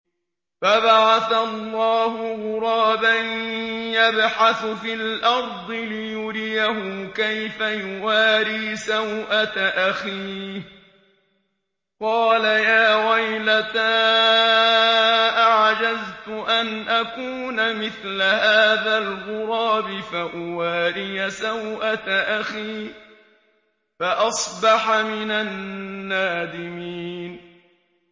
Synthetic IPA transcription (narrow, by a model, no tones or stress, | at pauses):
fabaʕaθalˤːɑːhʊɣʊɾˤɑːbanjabħaθfiːlʔɑɾˤd̪ˤɨlɪjʊɾɪjaɦʊkajfajʊwaːliːsawʔat̪aʔaxiː | qɑːlajaːɣajlat̪a | ʔaʕd͡ʒazt̪ʊʔanʔakuːnamɪθlahaːðalɣʊɾˤɑːbɪfaʔʊwaːɾɪjasawʔat̪aʔaxiː | faʔɑsˤbɑħamɪnanːaːd̪ɪmiːn